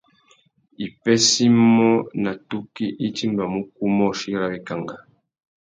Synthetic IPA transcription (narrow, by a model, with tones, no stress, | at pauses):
i˨pɛ˦si˦mɔ˦na˨tu˦ki˦ʔi˦ti˦mba˨mu˦ku˦mɔ˦˨ʃi˦ɾa˨wi˦ka˨ŋɡa˨